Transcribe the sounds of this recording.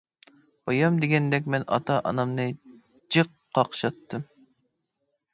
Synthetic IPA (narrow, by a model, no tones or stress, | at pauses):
b̥ɑjɑmd̪eɡʲɛnd̪ɛk̬ʲmɛnɑ̰t̪ʰɑʔɑnɑmnɨ | d͡ʒɨqː | ɑqʃɑt̪ːɨm